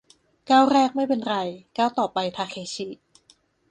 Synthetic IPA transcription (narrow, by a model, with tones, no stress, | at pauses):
kaː˥˩wɾɛː˥˩k̚ma˥˩jpe˧nɾa˧jkaː˥˩wt̪ɔː˨˩pa˧jt̪ʰaː˧kʰeː˧t͡ɕʰiː˦˥